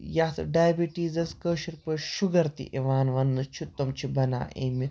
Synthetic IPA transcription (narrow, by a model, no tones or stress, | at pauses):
jaːt̪ɐ̰ɖajɐbiʈiːzɐskəːʃiɾpɐʃuɡɐɾt̪ḭʔeʋaːnʋɐnːɨt͡ʃʰut̪ːɐmt͡ʃʰibɐna̰ːʔḛːmi